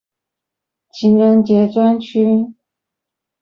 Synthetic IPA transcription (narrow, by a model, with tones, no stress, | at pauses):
t͡ɕʰi˧˥nɻə˧˥ŋt͡ɕjɛ˧˥t͡swa˥nt͡ɕʰy˥